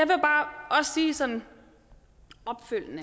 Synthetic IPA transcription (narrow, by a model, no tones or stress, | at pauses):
jɑʋe̝b̥ɑ̈ːɒ̽ssiːsɒ̽n̰n̩ | ɒ̽b̥føl̰nə